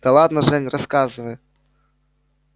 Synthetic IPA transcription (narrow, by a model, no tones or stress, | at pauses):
d̪̥ɐlˠad̪nɐʐɛnʲrʔɐskazɨvɐjɛ